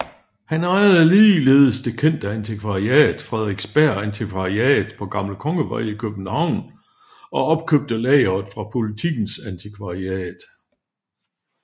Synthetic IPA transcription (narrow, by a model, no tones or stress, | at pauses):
hænɑ̈ɪɐð̩ˠliːle̝ːðˠəsd̥e̝kʰen̰d̥æænt͡sʰikʰʋɑ̈iɛ̰ːð̥ˠfʁɛðˠʁiɡ̥sb̥æɐ̰ænt͡sʰikʰʋɑ̈iɛ̰ːð̩ˠpʰɒ̽ɡ̥ɑ̈mləkʰɒ̽ŋəʋɑ̰ɪ̰ikʰøb̥n̩hɑ̈ʊ̰n | ɒ̽ɒ̽b̥̚kʰøb̥̚d̥əlɛɪɐðˠfʁɑ̈pʰo̝lit͡sʰiɡ̥n̩sænt͡sʰikʰʋɑ̈iɛ̰ːd̥